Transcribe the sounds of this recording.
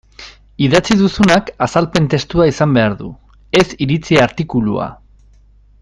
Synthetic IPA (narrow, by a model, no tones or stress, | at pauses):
iðat͡siðusunakasalpe̞nt̪e̞st̪uaisambe̞aɾðṵ | e̞siɾit͡siaɾt̪ikulua̰